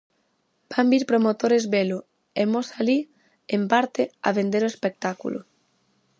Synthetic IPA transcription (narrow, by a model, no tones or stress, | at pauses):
b̥ambiɾpɾomot̪oɾezβelo | emosali | empaɾt̪ea̰βend̪eɾoespek̚t̪akṵlʔo̰